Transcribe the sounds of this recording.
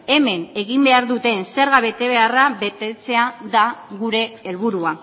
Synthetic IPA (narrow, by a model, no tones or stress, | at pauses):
e̞me̞ne̞ɣimbe̞aɾðut̪e̞nse̞ɾɣaβe̞t̪e̞β̞e̞araβe̞t̪e̞t͡se̞aðaɣuɾe̞ːlβ̞uɾua